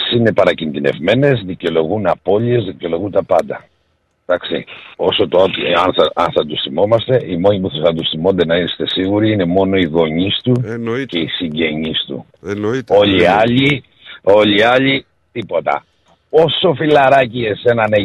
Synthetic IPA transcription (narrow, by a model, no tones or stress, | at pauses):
sine̞pɐɾɐcind̪ine̞̰vme̞ne̞zðico̞lo̞ɣunɐpo̞lie̞zðico̞lo̞ɣunt̪ɐpɐnd̪ɐ | d̪ɐksḭo̞so̞t̪ot̪ɐnθɐɐnθɐd̪usθimo̞mɐst̪e̞ʔimo̞ɲipuθɐsɐd̪usθimo̞nd̪e̞nɐist̪e̞siɣuɾiine̞mo̞no̞iɣo̞ɲist̪uce̞isiɲɟe̞ɲist̪ṵ | o̞ʎiɐʎi | o̞ʎiɐʎi | t̪ipo̞t̪ɐ̰ | o̞so̞filɐɾɐciʝese̞nɐne